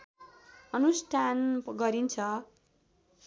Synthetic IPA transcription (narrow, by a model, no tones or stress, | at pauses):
ʌnusʈʰanɡʌɾint͡sʰʌ